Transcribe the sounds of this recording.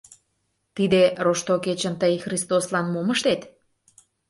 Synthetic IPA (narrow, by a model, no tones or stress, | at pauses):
t̪id̪eɾoʃt̪oket͡ɕə̆nt̪əjxrist̪oslɑnmoməʃt̪et̪